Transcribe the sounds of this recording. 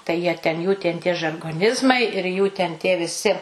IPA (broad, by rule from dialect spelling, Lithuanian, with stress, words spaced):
tɐɪ jiɛ ˈtʲɛn juː tʲɛn tʲiɛ ʒɐrɡoːˈnʲɪzmɐɪ ɪr juː tʲɛn tʲiɛ ʋʲɪˈsʲɪ